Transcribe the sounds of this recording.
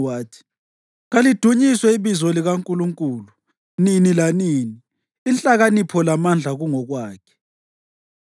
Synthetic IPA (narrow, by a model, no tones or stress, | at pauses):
waːtʰi̥ | ɣalid̥ʱuɲiswɛiβizɔliɣaŋkʼuluŋkʼuːlu | ninilaniːni | int͡ɬʼaɣanipʰɔlamand͡ɮʱaɣuŋɔɣwaːkʰɛ̥